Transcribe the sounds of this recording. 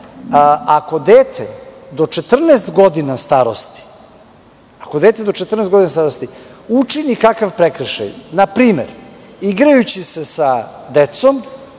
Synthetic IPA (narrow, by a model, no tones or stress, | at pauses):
ako̞d̪eːt̪ʰḛd̪o̞t͡ʃet̪r̩nest̪ɡo̞d̪inast̪aɾost̪i̥ | akod̪eːt̪ed̪o̞t͡ʃet̪r̩nesɡo̞d̪inast̪aɾost̪iut͡ʂinikakaʋpɾekɾəʃa̰jnapɾiːmḛɾ | iɡɾajut͡ɕise̞sad̪et̪som